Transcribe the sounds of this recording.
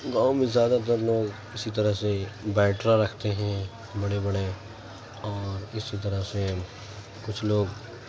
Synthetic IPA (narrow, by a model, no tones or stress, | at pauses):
ɡaːõmẽzjaːd̪at̪̬ɐɾloːɡ | ɪsit̪̬ɐɾəɦsebɛːʈɾaɾɐkʰt̪eɦɛ̃ | bɐɽebɐɽe | ɔːɾɪsit̪̬ɐɾəɦse | kʊt͡ʃʰloːɡ